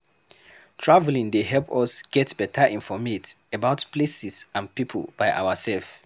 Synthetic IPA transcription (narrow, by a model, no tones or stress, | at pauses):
tʰɹavlĩŋdeɦɛlpɔsɡ̥ɛtb̥ɛtʰəʔĩnfɔmetəbaʊtplesisãnpipʰə̰lˠb̥ajʔa̰wəsɛlf